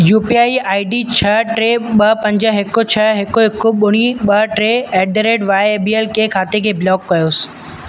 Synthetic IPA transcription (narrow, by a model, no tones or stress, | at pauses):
juːpiaːiʔaːiɖit͡ɕʰɐʈɾeːɓɐpɐ̃ɲd͡ʑəɦɪkot͡ɕʰɐɦɪkoɦɪkoɓʊɽ̃iɓɐʈɾeːɛːɖɾeːɖʋaːeeːbiːeːlkeːkʰaːt̪ekʰeːblɔːkːɐjoːs̆